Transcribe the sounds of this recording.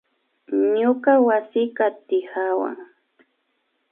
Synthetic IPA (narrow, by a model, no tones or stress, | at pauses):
ɲʊkawasɪkat̪ɪhawa̰ŋ